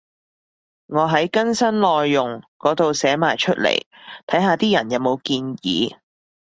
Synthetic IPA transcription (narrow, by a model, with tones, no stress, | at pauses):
ŋɔː˨˧ɦɐ˨˥jkɐ˥nsɐ˥nlɔː˨˧jːʊ˨ŋkɔː˨˥t̪o˨wsɛː˨˥ma̰ː˨jt͡ʃʰɵ˥t̚lḛ˨˩j | t̪ʰɐ˨˥jɦaː˨˧t̪iː˥jɐ˨˩njɐ˨˧wmo˨˧wkiː˧njḭː˨˧